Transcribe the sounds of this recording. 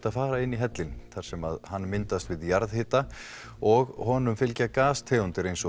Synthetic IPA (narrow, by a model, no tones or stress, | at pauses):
t̪aðfaːɾaɪnːiɦɛt̪lɪnθaɾ̥sɛma̰ðhanːmɪnt̪ast̪vɪðjaɾðhɪːt̪a | ɔɣhɔːnʏmfɪlcakaːst̪ʰeːunt̪ɪɾejnsɔ